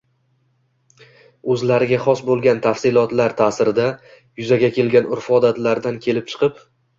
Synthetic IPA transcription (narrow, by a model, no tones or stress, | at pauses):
ɵzlaɾɪɡʲaχɒsbolˠɡʲant̪ʰafsɪlˠɒt̪laɾt̪ʰaːsɪɾɪd̪a | jʊzaɡʲakʲe̞lɡʲanʊɾfɒd̪at̪laɾd̪ankʲʰe̞lɪp̚t͡ʃʰɨ̥qʰɨp